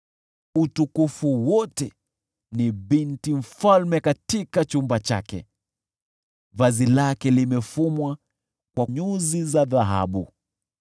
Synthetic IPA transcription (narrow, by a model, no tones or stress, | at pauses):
utukufuwɔtɛ | niɓintiɱ̩falmɛkatikat͡ʃumbat͡ʃa̰kɛ̰ | vazilakɛlimɛfumwa | kwaɲuzizaðaɦa̰ɓṵ